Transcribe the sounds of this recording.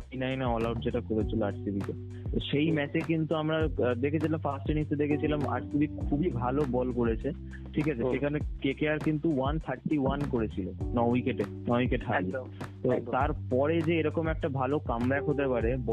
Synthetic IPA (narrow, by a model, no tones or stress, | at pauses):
inajneɔlawɖ̚d͡ʑeʈakoɾet͡ɕʰiloaʈsibʱike | t̪oʃejmɛt͡ɕekint̪uamɾad̪ekʰet͡ɕʰilamfasʈenist̪ed̪ekʰet͡ɕʰilama̰ʈsibikʰubibʱalobɔlkoɾet͡ɕʰe | ʈʰikat͡ɕʰeʃekʰanekekeaɾkint̪uwant̪ʰaɾʈiwankoɾet͡ɕʰilonɔikeʈe | nɔikeʈɦai | t̪ot̪aɾpɔɾed͡ʑeeɾɔkomɛk̚ʈabʱalokambɛkʰɦot̪epaɾebɔ